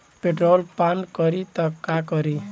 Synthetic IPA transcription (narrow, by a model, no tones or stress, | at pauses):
peʈɾolpankʌɾit̪ʌkakʌɾi